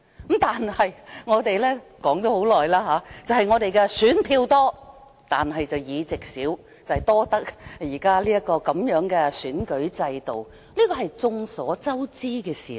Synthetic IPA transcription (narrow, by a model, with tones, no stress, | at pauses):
t̪aː˨nhɐ˨jŋɔː˨˧t̪e˨jlɛː˥kɔː˨˥ŋt̪o˨˥ho˨˥wlɔː˨jlaː˥ɦaː˨˧˥t͡sɐ˨˩whɐ˨jŋɔː˨˧t̪e˨jkɛ˧syː˨˥npʰiː˧wt̪ɔː˥ | t̪aː˨nɦɐ˨jt͡sɐ˨wjiː˨˧t͡sɪ˨k̚siː˨˥w | t͡sɐ˨hɐ˨˩jt̪ɔː˥t̪ɐ˥k̚jiː˨˩kaː˥liː˥jɐ˥kːɔː˧kɐ˨˥mjœː˨˥ŋkɛː˧syː˨˥nkɵ˨˥ɥt͡sɐ˧jt̪o˨w | liː˥kɔː˧ɦɐ˨jt͡sʊ˧ŋsɔː˨˥t͡sɐ˥wt͡siː˥kɛː˧sḭː˨˩